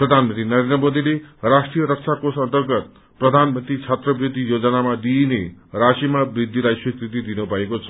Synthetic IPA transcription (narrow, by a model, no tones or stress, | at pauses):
prʌd̪ʱanmʌnt̪rinʌɾend̪rʌmod̪ilerasʈrijʌɾʌk̚t͡sʰakosʌnt̪ʌrɡʌt̪̚ | prʌd̪ʱanmʌnt̪rit͡sʰat̪rʌbrid̪ʱːijod͡zʌnamad̪inerasimabrid̪ʱːilajswikɾit̪̬id̪inʌbʱʌekot͡sʰʌ̥